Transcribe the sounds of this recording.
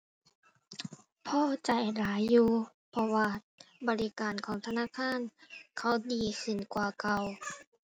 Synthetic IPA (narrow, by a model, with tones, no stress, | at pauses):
pʰɔː˧˩t͡ɕa˨˩jlaː˨˦jːuː˧ | pʰɔ˧waː˧ | bɔː˨˩li˦˧kaː˨˩nkʰɔː˩˦ŋt̪ʰa˧naː˧˥˨kʰaː˧˥˨nkʰa˧˦˥wdiː˨˩kʰɯ˧˩˨nkwaː˧˩ka˧˩w